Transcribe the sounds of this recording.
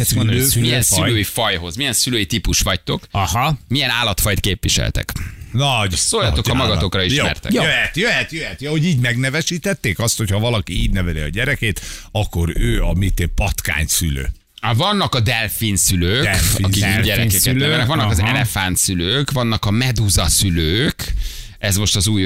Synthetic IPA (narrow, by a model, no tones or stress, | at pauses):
lømijɛnsyløːjifɒjɦo̞zmijɛnsyløːjit̪ipuʃʋɒct̪o̞khmijɛnaːlːɒt̪fɒjt̪keːpʋiʃɛ̰lt̪ɛ̰knɒɟsoːjɒt̪o̞kɒmɒɡɒt̪o̞krɒiʃmɛ̰rt̪ɛ̰jøɛt̪jøɦɛt̪jøɦɛt̪johoɟiːɟmɛɡnɛvɛʃiːt̪ɛt̪ːeːkɒst̪ho̞chɒvɒlɒkiiːɟnɛvɛɾiɒ̰ɟɛɾɛkeːt̪ɒkːo̞ɾøːɒmit̪epɒt̪ka̰ːɲsy̰lø̰ː | vɒnːɒkɒd̪ɛlfinsyløːkiɒ̰kiɟɛɾɛkɛklnɛøɛnɛkʋɒnːɒkɒzɛlɛfant̪syløːkvɒnːɒkɒmɛd̪uzɒsyløːk | ɛzmo̞ʃt̪ɒzuːj